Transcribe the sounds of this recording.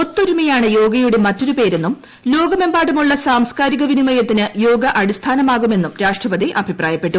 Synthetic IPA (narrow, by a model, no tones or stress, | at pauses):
o̞t̪ːoɾumɐjaːɳɨjo̞ːɡɐjuɽe̞mɐtːo̞ɾupe̞ːɾe̞nːum | lo̞ːɡɐme̞mbaːɽumuɭːɐsaːmskaːɾiɣɐʋinimɐjɐt̪ːinɨjo̞ːɡɐʔɐɽist̪ʰaːnɐmaːɣume̞nːumɾaːʂʈrɐbɐd̪iʔɐbʱipraːjɐpːe̞ʈːu